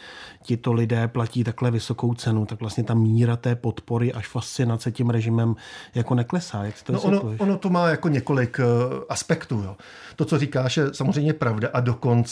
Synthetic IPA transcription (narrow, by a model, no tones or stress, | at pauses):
cɪt̪o̞lɪdɛːplaciːt̪aklɛvɪso̞ko̞wt͡sɛnut̪akvlast̪ɲɛt̪amiːɾat̪ɛːpo̞t̪po̞ɾɪʔaʃfast͡sɪnat͡sɛcɛmɾɛʒɪmɛmjako̞nɛklɛsaːjaksɛ̥t̪onosʔnooonot̪omaːjako̞ɲɛko̞lɪkʔaspɛkt̪uːjoː | t̪o̞t͡soriːkaːʃjɛsamo̞zrejmɲɛpɾavdaʔado̞ko̞nt͡s